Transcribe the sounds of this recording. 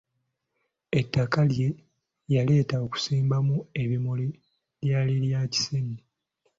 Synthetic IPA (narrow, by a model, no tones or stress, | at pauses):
e̞tːakalje̞ | jale̞ːtaoku̥siːmbamue̞βimoli | ljaːliljaci̥sene